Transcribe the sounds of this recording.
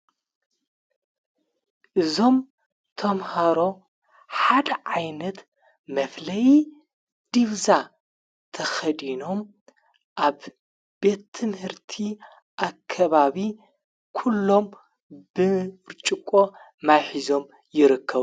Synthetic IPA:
ʔɨzo̞m | t̪ʰɐmhaɾo̞ | ħad̪ɐʕajnɐt̪ | mɐflɐji | d̪̥iβza | t̪ʰɐxɐd̪ino̞m | ʔaβ | be̞t̪ʰːɨmhɨɾt̪ʰi | ʔakʰːɐβaβi | kʰulːo̞m | b̥ɨɾt͡ʃʼɨkʼo̞ | majħizo̞m | jɪɾɨkːɐβu

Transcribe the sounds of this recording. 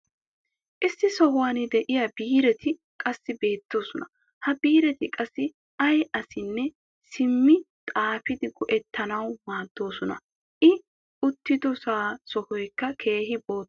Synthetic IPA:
ʔɪsːɪsɔhwaːnɪd̪ɛʔɪjɐbiːɾɛt̪ʰɪ | kʼɐsːɪbe̞ːt̪ːo̞ːsɔnɐ | hɐbiːɾɛt̪ɪkʼɐsːɪ | ɐjʔɐsɪnːɛ | sɪmːɪt̪ʼaːfɪd̪ɪɡɔʔɛt̪ʰːɐnɐwmaːd̪ːo̞ːsɔnɐ̰ | ʔɪ | ʊt̪ːɪd̪ɔsaːsɔhɔjkːɐkʰe̞ːɦɪbo̞ː

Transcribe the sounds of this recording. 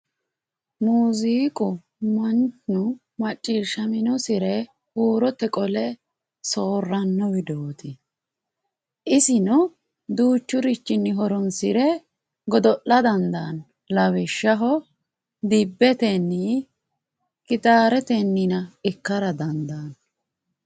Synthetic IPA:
muːziːkʼʊ | mɐnt͡ʃnʊ | mɐt͡ʃʼːiːʃɐmɪnɔsɪɾɛ | huːɾɔt̪ːɛkʼɔlɛ | soːrːɐnːɔwɪd̪oːt̪ʰɪ | ʔɪsɪnʊ | d̪uːt͡ʃːʊɾɪt͡ʃːɪnːɪɦɔɾɔnsɪɾɛ | ɡɔd̪ɔʔːɐd̪ɐnd̪ɐːn | lɐwɪʃːɐɦɔ | d̪ɪbːɛt̪ɛnːɪ | kɪt̪ʼaːɾɛt̪ɛnːɪnɐɪkːɐɾɐd̪ɐnd̪ɐːn

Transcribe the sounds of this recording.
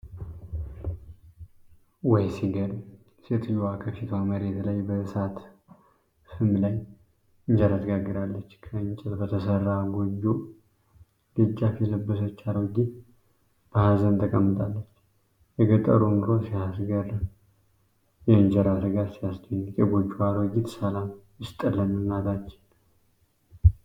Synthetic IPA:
wɔjsiɡəd̪ | set̪ʰjuwakʰəfit̪ʰaməɾeɛt̪ʰələjbəsat̪ | sɨmlaj | ɨɲd͡ʒəɾasɡaɡːɨɾalːət͡ʃːkʰəɨɲt͡ʃʼɛt̪bət̪ʰəsərːaɡod͡ʒːu | lɨd͡ʒːafɛləbːəs̬ot͡ʃːaɾoɡi | b̥əhazənt̪ʰəkʼəmːɨt̪ʼalːət͡ʃː | jɛɡət̪ʼːə̰ɾunuɾosihasɡəɾəm | jɛɨɲd͡ʒəɾasɨɡat̪sijasd̪əɲːkʼɛɡod͡ʒːuaɾoɡit̪səlamjɪst̪ʼəlːəmɨnːat̪at͡ʃːɪ̥n

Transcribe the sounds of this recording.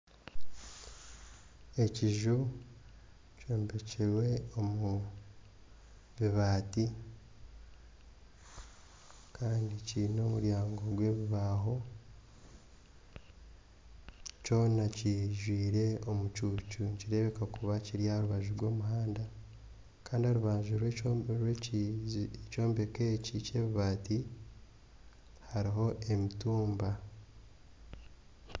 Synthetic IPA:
e̞ciʒu | ceːmbe̞ceɾwe̞o̞mu | βiβaːti | kʰaːndicino̞ːmuɾjaːŋɡo̞ɡwe̞ːβiβaːɦo̞ | co̞ːnaciʒwiːɾe̞o̞mut͡ʃuːcuciɾe̞βe̞kakuβaciɾjaɾuβaʒuɾɡwo̞ːmuɦaːnda | kaːndiaɾuβaːɲʒuɾweɾwe | eco̞ːmbe̞ke̞cice̞ːβiβaːti | haɾiɦo̞ʔe̞mituːmba

